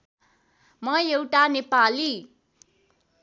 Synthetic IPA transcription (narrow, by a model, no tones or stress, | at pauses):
mʌjewʈanepali